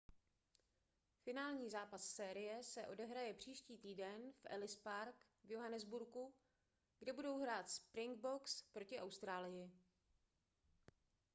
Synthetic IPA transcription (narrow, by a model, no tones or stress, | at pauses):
fɪnaːlɲiːzaːpasːɛːɾɪjɛsɛʔo̞dɛɦɾajɛpr̝̥iːʃciːt̪iːdɛnfʔɛ̰lɪspaɾk | vjoɦanɛzbuɾku | ɡdɛbudowɦɾaːt̪spɾɪŋɡ̚bo̞kspɾo̞cɪʔawst̪ɾaːlɪjɪ